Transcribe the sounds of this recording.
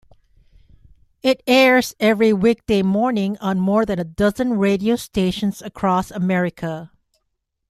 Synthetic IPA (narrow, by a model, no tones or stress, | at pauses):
ɪtɛɹz̥ɛvɹiwik̚d̥eɪmɔɹnɪ̃ŋə̃nmɔɹðɨ̃nədʌzə̃nɹeɪɾioʊsteʃə̃nzəkʰɹ̥ɔsəmɛɹɪkʰə